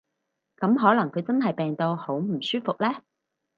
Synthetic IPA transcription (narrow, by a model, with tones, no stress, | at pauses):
kɐ˨˥mɦɔː˨˥lɐ˨˩ŋkʰɵ˨˧ɥt͡sɐ˥nɦɐ˨˩jpɛː˨ŋt̪o˧who˨˥wm̩˨˩syː˥fʊ˨k̚lɛː˥